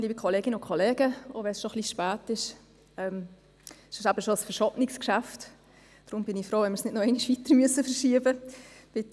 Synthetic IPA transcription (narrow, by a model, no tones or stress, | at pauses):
liːbikʰɔleːɡɪnəʊkʰoleːɡəo̰ːʋɛsʃoχliʃpæːtɪʃ | ɛm | sʃɪʃæbəʃosfəɾʃɔpnɪkskʃæft | d̥ɾʊmb̥ɪnɪfɾoːʋɛnməɾsnɪdnoɛɪnɪʃʋitəɾmyəsəfəɾʃiːəbəb̥ɪt